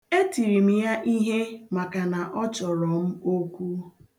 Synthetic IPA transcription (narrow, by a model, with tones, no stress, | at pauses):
e˦ti˨ɾi˨m̩˨ja˦ʔi˦ɦe˦ma˨ka˨na˨ʔɔ˦t͡ʃɔ˨ɾɔ˨m̩˦o˦kʷu˦